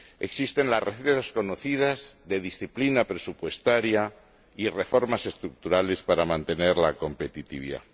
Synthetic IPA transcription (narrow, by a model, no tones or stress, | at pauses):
e̞ksist̪e̞nlasreθet̪asko̞noθið̞azðe̞ðisθiplinapɾe̞supwe̞st̪aɾja | ire̞fo̞ɾmase̞st̪ɾuk̚t̪uɾale̞spaɾamãnt̪e̞ne̞ɾlako̞mpe̞t̪it̪iβiða̰